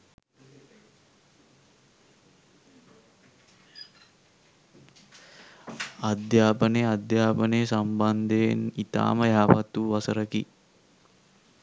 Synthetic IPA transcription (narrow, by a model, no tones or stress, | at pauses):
ad̪jaːpənejad̪jaːpənejəsamband̪eenit̪a̰ːməjaːpat̪uʋasəɾəkḭ